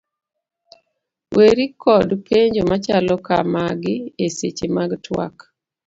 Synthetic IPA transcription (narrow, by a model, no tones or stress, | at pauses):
weɾikʰɔdpeɲd͡ʒomat͡ʃalɔka̰maɡɪeset͡ʃemaɡtʰwa̰k